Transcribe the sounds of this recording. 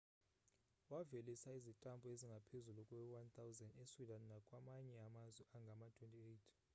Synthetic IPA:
wavelisaizitʼambʱɔeziŋɡʱapʰezulukʼwɛwant̪ʰʼawzɛndeswidʱanːakʼwamaɲɛamazwɛaŋɡʱamatʰwentʰʼiejtʰ

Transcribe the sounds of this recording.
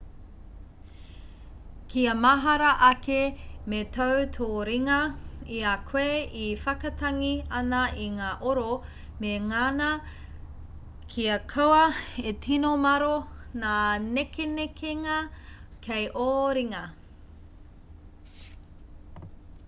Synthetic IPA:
kiɐmɐɦɐɾɐʔɐkemetʰɐwtʰoːɾiŋɐiɐkʰweifɐkɐtʰɐŋiɐnɐʔiŋaːʔoɾo | meŋanɐ | kʰiɐkʰɐwɐetʰinomɐɾonaːnekenekʰeŋɐkʰejʔoːɾiŋɐ

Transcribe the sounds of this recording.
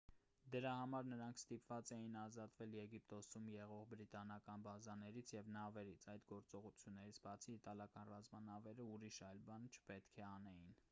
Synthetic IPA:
d̪əɾɑhɑmɑɾnəɾɑŋkʰst̪ipvɑt͡sɛjinɑzɑt̪vɛljɛɡip̚t̪ɔsumjɛʁɔʁbɾit̪ɑnɑkɑnbɑzɑnɛɾit͡sʰjɛvnɑvɛɾit͡sʰɑjd̪ɡɔɾt͡sɔʁut͡sʰjunːɛɾit͡sʰbɑt͡sʰiːt̪ɑljɑkɑnrɑzmɑnɑvɛɾəuɾiʃɑjlbɑnt͡ʃʰə̥pɛt̪kʰɛɑnɛjin

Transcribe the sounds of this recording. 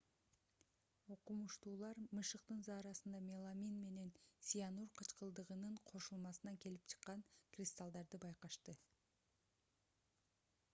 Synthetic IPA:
o̞qumuʃt̪uːlˠɑɾmɯʃɯq̚t̪ɯnzɑːɾɑsɯnd̪ɑmʲelˠamʲinme̞ne̞nsʲijanurqʰɑt͡ʃqɯlˠd̪ɯʁɯnɯɴqʰo̞ʃulˠmɑsɯnɑke̞lip̚t͡ʃʰɯ̥qːɑɴkrʲist̪alˠd̪ɑɾd̪ɯbɑjqɑʃt̪ɯ

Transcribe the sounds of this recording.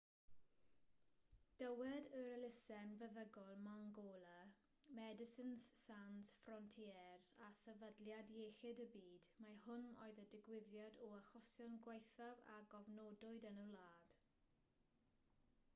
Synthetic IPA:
d̥əwɛdəɾəlɪsɛnvəðəɡɔlˠmaŋɡɔːlˠə | mɛdɪsɪnssanz̥frɔntʰiɛrzasɛvədljadjejxɪdəbiːdmahʊno̰ːɨðədɪɡwɪðjadɔaxɔsjɔnɡwejθava̰ɡɔvnɔːdʊɨdənəlaːd̥

